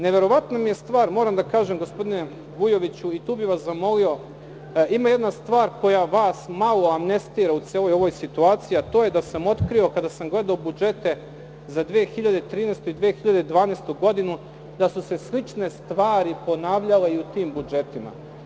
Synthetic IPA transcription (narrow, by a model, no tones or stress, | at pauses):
ne̞ʋe̞ɾo̞ʋat̪namijest̪ʋaːɾmo̞ːɾamd̪akaːʒe̞mɡo̞spo̞d̪ine | ɡujo̞ʋit͡ɕuit̪uːbiʋaszamo̞lio̞ | ʔimaje̞d̪nast̪ʋaːɾko̞jaʋaːsmalo̞amne̞st̪iːɾaut̪seːlojo̞ʋo̞jsit̪uaːt̪sijiat̪o̞ːje̞d̪asamo̞t̪kɾio̞kad̪asamɡle̞d̪aobud͡ʒe̞t̪e̞ | zad̪ʋeexiʎad̪e̞t̪ɾiːneːst̪oid̪ʋeːxiʎad̪ed̪ʋaːneːst̪uɡo̞d̪inu | d̪asuse̞slit͡ʃne̞st̪ʋaːɾipo̞naːʋʎale̞iut̪iːmbud͡ʒe̞t̪ima̰